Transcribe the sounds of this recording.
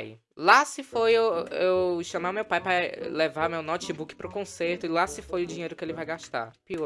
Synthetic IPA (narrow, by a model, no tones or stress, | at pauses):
j | lasɪfojewʃɐ̃majmewpajpɾɐlevaɾmewnɔt͡ʃibukɪ̥pɾʊkõseɾt̪ʊɪlasɪfojʊd͡ʒĩɲejɾʊkɪelɪvajɡaʃt̪a̰piɔ